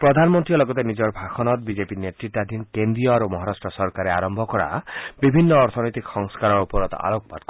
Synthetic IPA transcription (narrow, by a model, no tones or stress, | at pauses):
pɾɔd̪ʱanmɔnt̪ɾiɔlɔɡɔt̪enid͡ʒɔɾbʱaxʰɔnɔt̪bid͡ʒepinet̪ɾiʈːad̪ʱinkend̪ɾijɔaɾumɔɦaɾasʈɾɔsɔɾkaɾeaɾɔmbʱɔkɔɾa̰bibʱinːɔːɾt̪ʰɔnɔjt̪iksɔŋskaɾɔɾupɔɾɔt̪ɔ̰a̰lok̚ba̰d̪̚k